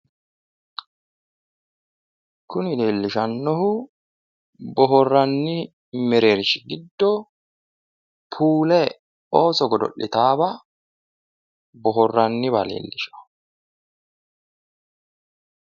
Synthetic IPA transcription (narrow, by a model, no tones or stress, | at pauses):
kʊnɪleːlːɪʃɐnːɔhʊ | bɔɦɔrːɐnːɪ | mɛɾeːɾʃɪɡɪd̪ːɔ | pʰuːlɛ | oːsɔɡɔd̪ɔ̰ʔːɪt̪aːbɐ | bɔɦɔrːɐnːɪβalḛːlːɪʃɐ̥